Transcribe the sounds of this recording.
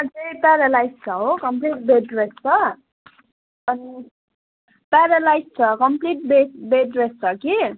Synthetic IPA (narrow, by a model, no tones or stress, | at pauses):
ʌd͡zepaɾalajst͡sʰʌɦokʌmpliʈ̚beɖrest͡sʰʌ | ʌni | paɾalajst͡sʰʌkʌmpliʈ̚besbeɖrest͡sʰʌki